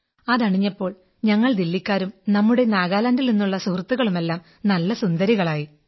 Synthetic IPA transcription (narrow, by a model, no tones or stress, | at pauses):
ɐðɐɳiɲːɐpːo̞ːɭ | ɲɐŋːɐɭd̪ilːikʲːaːɾumnɐmːuɽe̞naːɣaːlaːndilninːuɭːɐsurt̪ːuɣɐɭume̞lːaːm | nɐlːɐsund̪ɐɾiɣɐɭaːji